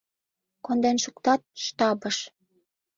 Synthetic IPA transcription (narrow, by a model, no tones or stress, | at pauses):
kond̪enʃukt̪ɑt̪̚ʃt̪ɑbəʃ